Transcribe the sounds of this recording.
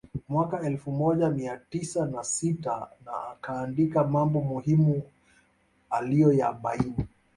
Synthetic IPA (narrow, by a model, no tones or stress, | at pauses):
mwakaɛlfumɔʄamiatisanasitana̰ːkaːndikamambɔmuhimu | alijɔja̰ɓaini